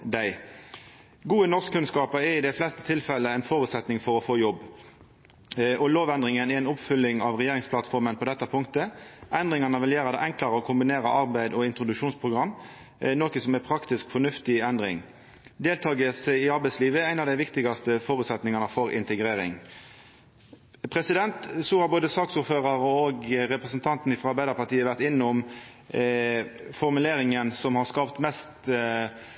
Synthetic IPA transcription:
d̪æɪ | ɡuːənɔʁskkʰːʉnskɑːpəɾɛʁɪd̪ɛɪflɛst̪ə̥t̪ʰɪlfɛlːəæɪnfoːɾʉːt̪sɛt̪nɪŋfɔɾɔfoːjɔbː | ɔloːʋɛnd̪ʁɪŋənɛɛɪnʊpfʏlːɪŋɑʋʁɛjeːɾɪŋspʰlɑt̪fɔɾmənpʰɔd̪ɛt̪ːɑpʰʊŋkt̪əʔɛnd̪ʁɪŋɑnəʋɪljøːʁəd̪ɛʔɛŋklɑɾəɔkʰʊmbɪneːɾɑʔɑʁbæɪd̪ɔɪnt̪ʁʊd̪ʉʂuːnspʰʁʊɡʁɑmː | noːkəsɔmæpʰɾɑkt̪ɪskfɔnʉft̪ɪɛnd̪ɾɪ̰ŋ | d̪eːlt̪ʰɑːɡəsæɪɑɾbæɪsliːʋəæɪnɑʋd̪ɛɪʋɪkt̪ɪɡɑst̪əfoːɾʉt̪sɛt̪nɪŋɑnəfɔɾʔɪ̰nt̪əɡɾeːɾɪ̰ŋ | pʰɾɛsɪd̪ɛnt̪suːhɑɾboːd̪əsɑːksuːɾføːʁɑɾəoɡɾɛpɾɛsənt̪ʰɑnt̪n̩ɪfɾɑɑɾbæɪd̪ɑɾpɑt̪iːəʋæʁt̪ɪnːəʊm | fɔɾmʉleːɾɪŋənsɔmhɑɾskɑːʋt̪mɛst̪

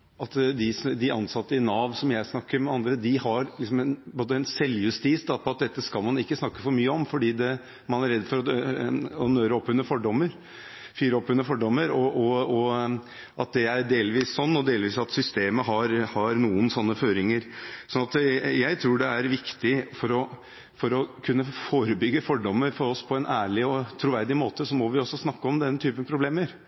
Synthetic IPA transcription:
ʔɑt̪d̪ɪsd̪ɪʔɑnsɑt̪ːəɪnɑːʋsɔmjæɪsnɑkːəɾmɛɑnd̪ɾəd̪ɪhɑɾlɪks̬ɔmɛnboːd̪əɛnsɛlːjʉst̪iːsd̪ɑpʰɔɑt̪̚d̪ɛt̪ːəskɑlmɑnɪkːəsnɑkːəfɔɾmyːəɔmfɔɖiːd̪ɛ | mɑnæɾɛd̪ːfɔɾɔ | ɔnøːɾəɔpːʉnːəfɔɖɔmːəɾ | fyːɾəɔpːʉnːəfɔɖɔmːəɾɔɔɔ | ʔɑt̪̚d̪ɛæɾɖeːlʋiːssɔnːɔd̪eːlʋiːsɑt̪sʏst̪eːməɦɑɾhɑɾnuːənsɔnːəføːɾɪŋəɾsɔnɑt̪jæɪt̪ʰɾuːɖɛæɾʋɪkt̪ɪfɔɾɔ | fɔɾɔkʰʉnːəfoːɾəbʏɡːəfɔɖɔmːəɾfɔɾɔspʰɔɛnʔæːɭɪɔt̪ʰɾʊʋæɾd̪ɪmoːt̪əsɔmɔʋɪɔsːɔsnɑkːəɔmd̪ɛnːət̪ʰyːpənpʰɾʊbleːməɾ

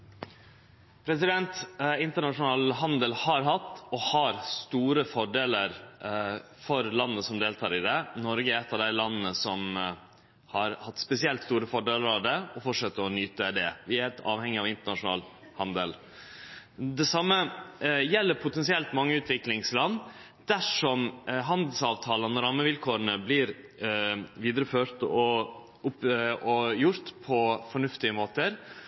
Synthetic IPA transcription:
pʰɾɛsɪd̪ɛnt̪ɪnt̪əɳɑʂʊnɑːlɦɑnd̪əlhɑɾɦɑt̪ːɔhɑɾst̪uːɾəfɔɖeːləɾ | fɔɾlɑnːəsɔmd̪eːlt̪ʰɑːɾɪd̪ɛnɔɾɡəɾɛt̪ːɑʋd̪æɪlɑnːn̩əsɔm | hɑɾhɑt̪ːspɛsɪɛlt̪st̪uːɾəfɔɖeːləɾɑʋd̪ɛɔfɔʂət̪ːəɾɔnyːt̪əd̪ɛʋɪɛt̪ɑ̰ːʋhɛŋːɪɑʋɪnt̪əɳɑʂʊnɑ̰ːl | hɑnd̪əl | d̪ɛsɑmːəjɛlːəɾpʰʊt̪ɛnsɪɛlt̪mɑŋːəʉːt̪ʰʋɪklɪŋslɑnː | d̪̥æʂɔmɦɑnd̪lsɑːʋt̪ʰɑːlənːɔɾɑːməʋɪlkʰoːɾənəblɪɾ | ʋiːd̪ɾəføːɾt̪ɔ | ʊpɔjʊɾt̪pʰɔfɔɳʉft̪ɪəmoːt̪əɾ

